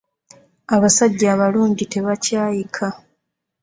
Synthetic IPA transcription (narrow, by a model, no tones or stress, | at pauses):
aβasaɟːaːβaluːɲɟite̞βacaːjikʰa